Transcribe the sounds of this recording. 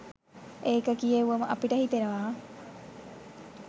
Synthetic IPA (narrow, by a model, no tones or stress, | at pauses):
ʔeːkɐkieuʋɐmɐʔɐpiʈɐhit̪eɾɐʋaː